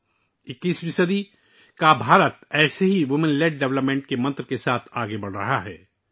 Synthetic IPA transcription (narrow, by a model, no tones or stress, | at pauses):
ɪkːiːspɪsəd̪i | kabʱaːɾət̪̚ɛːseɦiʋʊmɪ̃nleːɖ̚ɖɛʋləpmẽːɳʈ̚kemɐ̃nt̪ɾkesaːt̪ʰaːɡebɐɽ̤ɾɐ̰ɦaɦɛː